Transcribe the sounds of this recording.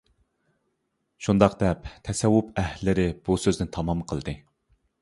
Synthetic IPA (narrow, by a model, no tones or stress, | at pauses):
ʃund̪ɑqd̪ɛpt̪ʰɛsɛwːupæhlɪlːɪɾɪb̥usøznɪnt̪ʰɑmɑmqʰəlˠd̪ɨ